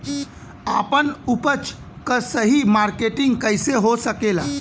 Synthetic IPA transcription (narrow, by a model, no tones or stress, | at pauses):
apənupət͡ʃ | kəsəɦimaɾkeʈiŋɡkəjseɦosəkela